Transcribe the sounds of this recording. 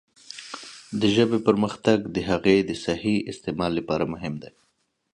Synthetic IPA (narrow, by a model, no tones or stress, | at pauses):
d̪əʒəbepəɾməxt̪aɡd̪əɦaɣed̪əsahiɪst̪emɑlːapɑɾamʊɦɪmd̪e